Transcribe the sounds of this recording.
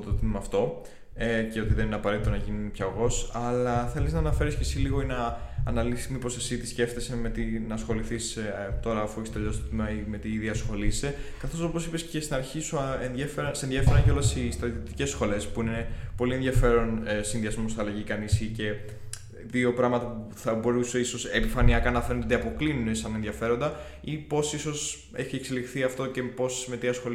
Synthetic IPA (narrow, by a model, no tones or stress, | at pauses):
d̪t̪ot̪imimɐːft̪o̞ | eceo̞t̪iðenineɐpɐɾe̞t̪it̪o̞nɐʝinnpçɐoɣo̞sɐlɐθeliznɐnɐfe̞ɾiscesiliɣoinɐːnɐlisi̥st̪mipo̞sesit̪isce̞ft̪ese̞me̞t̪inɐːsxo̞liθist̪o̞ɾɐfust̪eʎost̪ot̪imimɐime̞t̪iðiɐsxo̞lise̞kɐθo̞so̞posipesce̞st̪inɐɾçisuenðjefeɾɐnsenðʝjefeɾɐnco̞lesist̪ɾɐt̪iot̪ice̞sxo̞le̞spuinepo̞lienðʝɐfe̞ɾo̞nsinðiɐzmost̪oɐlɐʝikɐnisice̞ | ðio̞pɾɐmɐt̪ɐpuθɐbo̞ɾuseiso̞sepifɐniɐkɐnɐfenet̪d̪eɐpo̞klinunesɐnenðʝɐfe̞ɾo̞nd̪ɐ | ipo̞siso̞s | e̞çie̞kse̞lixθiɐft̪o̞ce̞po̞sme̞t̪iɐsxo̞